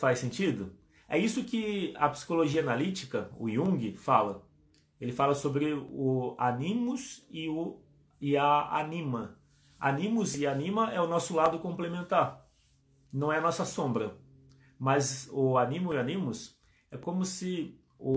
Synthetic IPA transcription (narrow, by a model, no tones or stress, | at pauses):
fajsẽnt͡ʃid̪ʊ | ɛ̰isʊkɪɐ̰psi̥koloʒiɐanalit͡ʃi̥kɐʊ̰iũɡɪfalɐ | elɪfalɐsobɾɪʊanĩmʊsɪʊ | ɪɐa̰nĩmɐ | a̰nĩmʊzɪanĩmɐʔɛʊnɔsʊlad̪ʊkõmplemẽnt̪aɾ | nɐ̃w̃ɛɐnɔsɐsõbɾɐ | mɐzʊanĩmʊɪanĩmʊs | ɛkõmʊsɪ | ʊ